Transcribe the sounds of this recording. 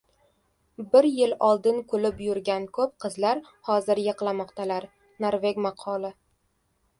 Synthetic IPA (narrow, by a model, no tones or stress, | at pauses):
bɪɾjɪlɒlˠd̪ɪnkʰolɪpjʊɾɡʲankʰɵp̚qʰɨzlaɾ | hɒzɪɾjɨqlˠamɒqt̪ʰalaɾ | naɾveɡʲmaqʰɒlˠɪ